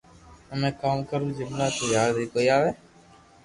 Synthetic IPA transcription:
əmẽːkaːmkəɾũːd͡ʒɪmlaːt̪əjaːɾd̪iːkoːiːaːʋeː

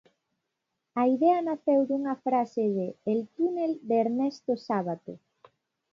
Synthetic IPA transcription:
ɐiðɛɐnaθewðuŋɐfɾaseðɪːlt̪uneld̪eːɾnɛst̪osaβat̪o

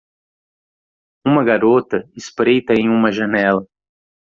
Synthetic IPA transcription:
ũmɐɡaɾot̪ɐɪspɾejt̪ɐẽj̃ũmɐʒɐnɛlɐ

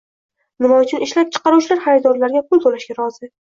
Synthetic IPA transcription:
nɪmɒt͡ʃʰɪnɪʃlap̚t͡ʃʰɨ̥qɑɾuwt͡ʃlaɾχajɾd̪ɒɾlaɾɡʲapʊlˠt̪ʰolaʃɡʲaɾɒzɪ

